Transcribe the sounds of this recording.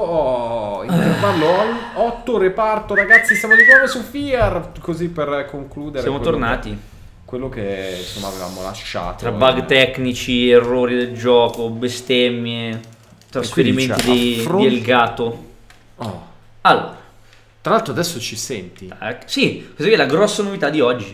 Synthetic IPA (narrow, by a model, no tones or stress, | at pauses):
ɔievalːoɔt̪ːoɾepart̪oɾaɡat̪sːisamod̪ikɔmesufiarkozipːerkoŋkluːd̪esɾjamot̪ornaːt̪i | kwelːokensomːa̰ːveva̰mola̰ʃːa̰ːt̪ɾabbaɡt̪ɛknit͡ʃierːoːɾid̪eld͡ʒɔːkobest̪ɛmːje | t̪ɾasfeɾimenid̪iielɡaːt̪o | ɔ | alːo̰ːɾa | t̪ɾalalt̪ɾoad̪ɛsːot͡ʃisɛnt̪iɛksikozɛkːɛlaɡɾɔsːanovit̪ad̪ːiɔd͡ʒːi